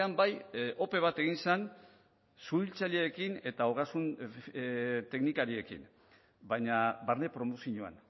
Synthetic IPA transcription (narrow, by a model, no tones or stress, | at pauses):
ambajo̞pe̞β̞at̪e̞ɣ̞insan | suilt͡saʎeekine̞t̪aoɣasun | t̪e̞knikaɾie̞kḭn | bajɲabaɾne̞pɾo̞mosiɲoa̰n